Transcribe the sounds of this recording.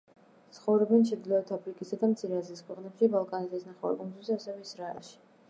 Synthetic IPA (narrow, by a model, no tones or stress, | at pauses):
t̪sʰχɔvɾɔbɛnt͡ʃʰɛd̪ilɔɛt̪ʰapʰɾikʼisad̪amt̪sʰiɾɛazliskʰwɛqʼnɛpʃibalˠkʼanizisnaχɛa̰ɾkʼunzwsasɛvɛisɾaɛ̰lˠʃi̥